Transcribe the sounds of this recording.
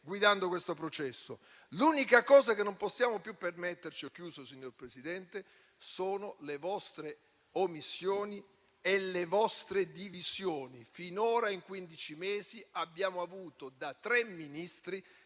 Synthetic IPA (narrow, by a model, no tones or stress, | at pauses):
ɡwid̪and̪okwest̪opɾot͡ʃɛsːo̰ | luːnikakɔːzak̟enːomposːjaːmopjupːermet̪ːert͡ʃiok̟ːjuːzosiɲːorpɾesid̪ɛnt̪e | soːnolevɔst̪ɾe | omisːjoːni | elevɔst̪ɾed̪iviz̥joːnifinoːɾaiŋkwind̪it͡ʃimeːziabːjaːmoavuːt̪od̪at̪ːɾemːinist̪ɾi